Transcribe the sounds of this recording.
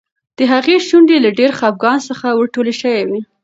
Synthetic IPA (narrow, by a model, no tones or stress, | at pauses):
d̪̥əɦaɣeʃuɳɖelaɖeɾxɑp̚ɡɑnsəxawəɾʈoleʃəwewi